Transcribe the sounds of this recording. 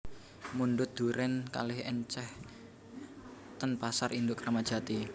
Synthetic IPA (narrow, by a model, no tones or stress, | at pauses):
munɳɖʊt̪̚d̪̥ṳɾɛnka̰lɪhəɲt͡ʃɛh | t̪ənpasarind̪ʊʔkɾamad̥ʒ̥a̤t̪i